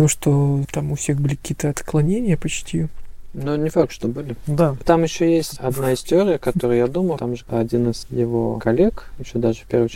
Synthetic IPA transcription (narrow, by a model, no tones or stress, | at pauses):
oʂt̪ot̪amʊfsʲeɣbɨlʲɪkɐ̥kʲiːət̪əɐt̪klˠɐnʲenʲɪjəpɐt͡ɕt̪ʲinonʲɪfak̚t̪ʂt̪obɨlʲɪd̪at̪amɪɕːojesʲtʲɐd̪naɪsʲtʲɪoɾʲɪjəkɐt̪oɾɨjad̪uməlˠt̪amʐɨɐdʲinɨzjɪvo̰kɐlʲekjɪɕːod̪aʐɨfʲpʲervɨ